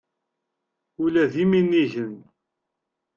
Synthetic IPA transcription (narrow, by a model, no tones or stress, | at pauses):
ʊlæðiminːiʝən